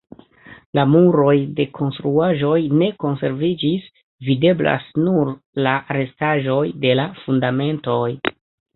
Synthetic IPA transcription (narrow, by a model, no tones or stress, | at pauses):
lamuɾo̞jde̞kʰo̞nstɾuaʒo̞jne̞ko̞nse̞ɾvid͡ʒis | vide̞bla̰snuɾ | laaɾe̞staʒo̞jde̞lafundame̞nto̞j